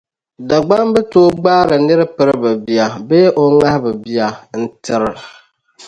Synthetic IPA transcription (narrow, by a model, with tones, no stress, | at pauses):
da˨ɡ͡ba˦ŋbɨ˦toː˦ɡ͡baː˦ɾɨ˨nɨ˦ɾɨ˦pɨ˦ɾɨ˦bɨ˨bi˦a˨beː˦ʔo˨ŋa˦hɪ˦bɨ˨bi˦a˨n̩˦tɪ˨ɾɪ˨